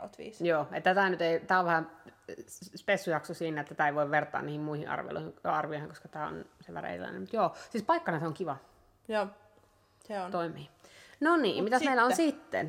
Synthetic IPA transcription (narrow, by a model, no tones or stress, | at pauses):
o̰t̪ʋḭːsjoːḛt̪ːæt̪æːnyt̪eit̪æːoʋæhæ | spesːujɑksosiːnːæet̪ːæt̪æːeiʋoiʋʋert̪ˑɑ̰ːniːhimmuihḭ̃ʔɑ̰rʋḛlo̰ihiŋɑrʋioˑihiŋkoskɑt̪æːo̰nseʋḛrɑ̰ḛrilɑ̰inḛmut̪joːsiːspɑikːɑnɑseoŋkiʋɑ | o | eot̪oimˑiːnonḭːmit̪æsmeilːæonsit̪ːḛn